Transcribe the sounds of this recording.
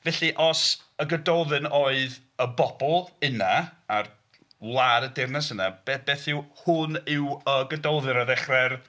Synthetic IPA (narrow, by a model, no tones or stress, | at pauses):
vɛɬiʔɔsəɡədɔwðɨnoːɨð | əbɔbɔlˠənaar | lˠaɾədɪrnɛsəna̰b̥ɛb̥ɛːθɪwhʊnɪwəɡədowðɨɾəðɛχrɛr